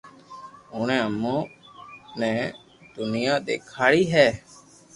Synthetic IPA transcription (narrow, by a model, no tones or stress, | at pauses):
ʊːɳɛ̃ːəmõː | nɛ̃ː | d̪ʊnɪjãːɗ̪eːkʰaːɽiːɦɛː